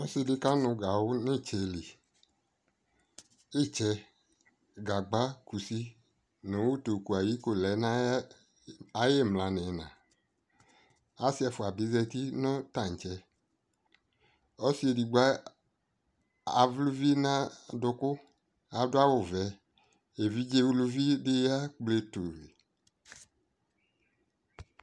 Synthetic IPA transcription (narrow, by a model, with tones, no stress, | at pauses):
ɔ˦si˧di˨˧ka˦nʊ̃˧ɡa˨wʊ˦nĩ˦˨t͡ʃɛ˧li˨ | i˦˨t͡ʃɛ˧ | ɡa˨ɡ͡ba˨˦ku˨si˦ | nõ˨˦wu˦˨to˨ku˨a˨ji˨˦ko˦˨lɛ˨˦na˦ | a˦je˦˨mla˨nɛ̃˨nã̰˨ | a˦si˦ɛ˧fʊ˨a˨bi˨˦zɛ˧ti˦nɔ̃˦ta˨ŋ̩˨t͡ʃɛ˧˦ | ɔ˦si˦e˨di˨ɡ͡ba˦ | a˨vlu˦vi˦nã˦dʊ˧kʊ˦ | a˨dʊ˦a˦wʊ˨vɛ˨˦ | e˨vi˦d͡ʒe˦vlu˧vi˦de˦ja˦k͡ple˧to˨ɾe˨